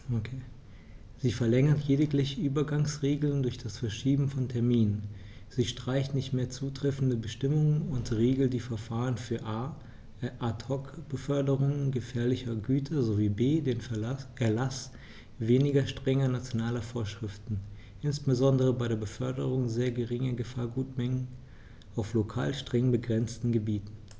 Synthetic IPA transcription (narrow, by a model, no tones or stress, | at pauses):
okʰeː | ziːfɛɐlɛŋɐtʰjeːdɪklɪçəʔyːbɐɡaŋsʁeːɡl̩ndʊɐçd̥asfɛɐʃiːbm̩fɔntʰɛɐmiːnən | z̥iːʃtʁ̥aɪçtnɪçtmeːɐt͡suːtʁ̥ɛfn̩dəbəʃtɪmʊŋənʊntʁeːɡl̩td̥iːfɛɐfaːʁənfyːɐʔa | ʔatʰɔkb̥əfœɐdəʁʊŋənɡəfɛːɐlɪçɐɡyːtʰɐzoviːbeːdeːnʔɛɐlas | veːnɪɡɐʃtʁ̥ɛŋɐnat͡sjonaːlɐfoːɐʃʁ̥ɪftn̩ | ʔɪnsb̥əzɔndəʁ̞əbaɪɾeːɐbəfœɐdəʁ̞ʊŋzeːɐɡəʁɪŋɐɡəfaːɐɡuːtmɛŋən | ʔaʊflokʰaːlʃtʁ̥ɛŋbəɡʁɛnt͡stn̩ɡəbiːtn̩